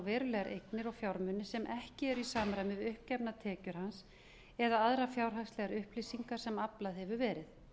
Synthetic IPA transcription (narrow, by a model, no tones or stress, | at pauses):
vɛːɾʏlɛɣaɾʔejknɪɾɔɣfjawɾmʏnːɪsɛmʔɛhcɪɛɾisaːmɾajmɪðʏhpcɛpnat̪ʰɛːcʏɾ̥hans | ɛðaaðɾafjawɾ̥ɦaxslɛɣaɾʏhplisiŋkaɾ̥sɛmaplaðhɛvʏvɛːɾɪð